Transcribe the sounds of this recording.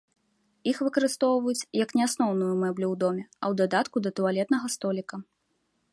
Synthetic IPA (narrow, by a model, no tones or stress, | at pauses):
ixvɨkɐɾɨst̪ɔwvɐjut͡sʲjɐknʲɛasnɔwnujumɛblʲuwd̪ɔmʲɛɐwd̪ad̪at̪kud̪ɐt̪ualʲɛt̪nɐɣɐst̪ɔlʲikɐ